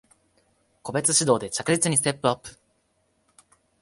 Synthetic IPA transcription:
ko̞be̞t͡sɨɕid̪o̞ːd̪e̞t͡ɕakɯ̟ʑit͡sɨɲ̟is̬t̪e̞pːɯapːɯ̟̥

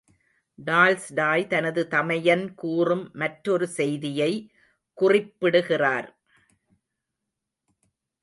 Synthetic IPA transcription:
ɖaːlsɖaːjt̪ɐnɐðɯt̪ɐmɐjɐnkuːrɯmːɐʈɾɔɾɯsɛjðɪjɐɪ | kʊrɪpːɪɽɯɣɪraːɾ

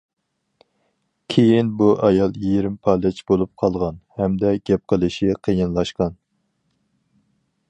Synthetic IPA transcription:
kʲʰejinbuʔɑjɑlˠjiɾɪmpʰɑlɪt͡ʃʰbolˠup̚qʰɑlˠʁɑnhɛmd̪ɛɡ̥ʲɛp̚qəlˠɨʃiqʰəjɨnlˠɑʃqɑn

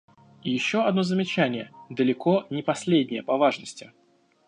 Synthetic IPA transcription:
ijɪɕːoɐd̪no̞zəmʲɪt͡ɕænʲɪjəd̪əlʲɪko̞nʲɪpɐsʲlʲedʲnʲɪjəpɐvaʐnəsʲtʲɪ

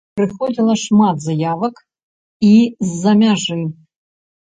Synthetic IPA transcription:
pɾɨxɔd͡zʲilˠɐʂmat̪zajavɐk | izːɐmʲaʐɨ

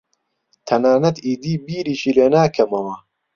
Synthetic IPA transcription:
t̪ʰɐnaːnɐt̪iːd̪iːbiːɾiːʃiːleːnaːkʰɐmɐwɐ

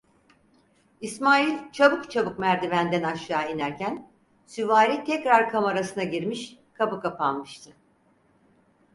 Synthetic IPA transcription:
ismaːjilʲt͡ʃʰabɯkt͡ʃʰabɯkmæɾd̪ivænd̪ænaʃaːinæɾcʰæn | syvaːɾit̪ʰɛcɾaɾkʰamaɾasɯnaɟiɾmiʃkʰabɯkapʰanmɯʃt̪ʰɯ

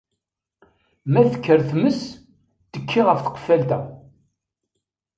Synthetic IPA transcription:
mæθə̥kːəɾθməs | t̪əkʰːiʁəfθə̥qfælt̪æ

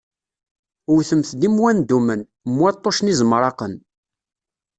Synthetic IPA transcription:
ʊɾθəmθd̪imwænd̪umən | mːwæt̪ˤːoʃnizˤmɾˤɑqən

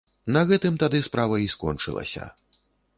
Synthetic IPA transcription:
nɐɣɛt̪ɨmt̪ad̪ɨspɾavɐiskɔ̰nt͡ʂɨ̰lˠɐ̰sʲɐ̰

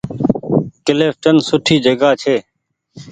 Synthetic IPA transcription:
kɪleːft͡ʃənsʊʈʰiːd͡ʒəɡaːt͡ʃʰeː

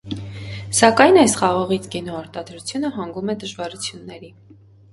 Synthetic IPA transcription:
sɑkɑjnɑjsχɑʁɑʁit͡sʰkɛnɔɑɾt̪ɑd̪ɾut͡sʰjunəɦɑŋɡumɛd̪əʒvɑɾut͡sʰjunːɛɾi

